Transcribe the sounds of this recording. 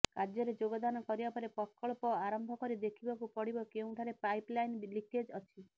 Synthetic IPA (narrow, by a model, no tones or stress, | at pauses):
kaɾd͡ʒɔɾed͡ʒoɡɔd̪anɔkɔɾibapɔɾepɔkɔɭpɔaɾɔmbʱɔkɔɾid̪ekʰibakupɔɽibɔkeũʈʰaɾepajplajnliked͡ʒɔt͡ʃʰi